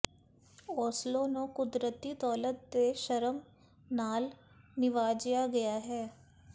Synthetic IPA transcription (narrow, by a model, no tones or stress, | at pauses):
ɔːslõːnokʊd̪ɾət̪ːiːd̪ɔːlət̪̚d̪eːʃəɾəm | naːl | nɪʋaːd͡ʒjaɡɐjaɦɛː